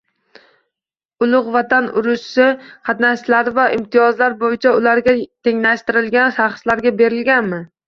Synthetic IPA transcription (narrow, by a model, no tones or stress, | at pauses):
ʊlˠʊqvat̪ʰanʊɾʊʃsɪqʰɑt̪naʃlaɾvaʔɪmt̪ʰijɒzlaɾbojɪt͡ʃʰaʊlaɾɡʲat̪ʰe̞ŋlaʃt̪ɪɾɪlɡʲanʃɑχslaɾɡʲabe̞ɾɪlɡʲanmɪ